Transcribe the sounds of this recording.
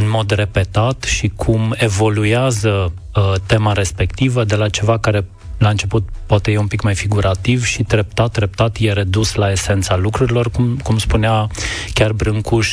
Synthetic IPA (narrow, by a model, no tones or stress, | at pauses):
ɨnmo̞d̪re̞pe̞t̪at̪ʃikʰume̞vo̞lueazə | ət̪e̞maɾe̞spe̞kt̪ivəd̪e̞lat͡ʃe̞vakaɾe̞ | laɨnt͡ʃe̞put̪̚poat̪e̞jeumpikmajfiɡuɾʔat̪ivʃid̪ɾep̚t̪at̪̚d̪ɾe̞p̚t̪at̪je̞ɾe̞d̪uslae̞se̞nt̪salukɾuɾilo̞rkumkumspuneakʲarbɾɨŋkuʃ